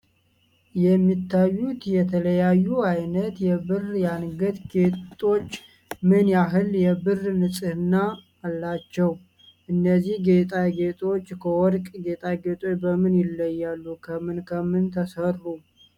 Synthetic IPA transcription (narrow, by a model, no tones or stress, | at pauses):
jɛmːit̪ːajːut̪jɛt̪ʰələjajːuajnət̪jɛbɨrjanɡət̪ɡet̪ʼo̞t͡ʃː | mɨnjaɦɨljɛbɨrnɨsʼɨhɨnːaː | lːat͡ʃːɛw | ʔɨnːəzːihɡet̪ʼaɡet̪ʼo̞t͡ʃːkʰəwɔɾkʼɡe̞t̪ʼaɡe̞t̪ʼo̞t͡ʃbəmɨnjɪlːəjːalːukʰəmɨnkʰəmɨnt̪ʰəsəru